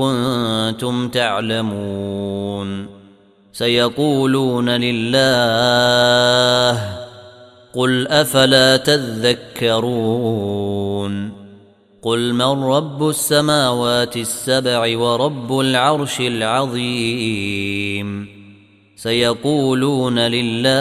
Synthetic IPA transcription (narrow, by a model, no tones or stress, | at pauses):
ʊnt̪ʊmt̪aʕlamuu | n | sajɑquːluːnalɪlːaː | h | qʊlʔafalaːt̪aðːakːɑɾˤuː | n | qʊlmarˤːɑbːʊsːamaːwaːt̪ɪsːabʕɪwɑɾˤɑbːʊlʕɑɾˤʃɪlʕɑðˤiː | m | sajɑquːluːnalɪlːaː